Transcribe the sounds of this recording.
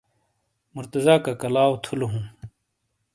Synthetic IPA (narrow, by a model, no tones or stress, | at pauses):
muɾt̪ɐzaːkakɐlaːwot̪ʰuloɦũː